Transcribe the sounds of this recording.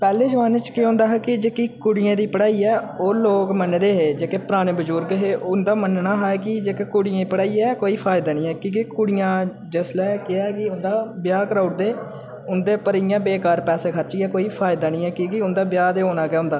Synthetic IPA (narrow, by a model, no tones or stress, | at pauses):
pɛːleːd͡ʒəʋaːnet͡ʃkɪõːnd̪aːɦɛːkɪd͡ʒeːkikʊɽɪjãːd̪iːpəɽaːiːɛːoːloːkmənd̪eːɦeːd͡ʒeːkeːpəɾaːɽ̃eːbəd͡ʒuːɾɡeɦeːʊnd̪aːmənnaːɦaːɛkɪd͡ʒeːkeːkʊɽɪjãːpəɽaːiːɛːkoːiːpʰaːɪd̪aːnĩːɛːkĩːkikʊɽɪjãː | d͡ʒəslɛːkɪakɪʊnd̪aːbɪjaːkəɾaːʊʈ̚d̪eː | ʊnd̪eːpəɾijãːbeːkaːɾpɛːseːkʰəɾt͡ʃiːɛːkoːiːpʰaːɪd̪aːnĩːɛːkiːkiʊnd̪aːbjaːd̪eːɦoːnaːɡɛːɦʊ̃nd̪aː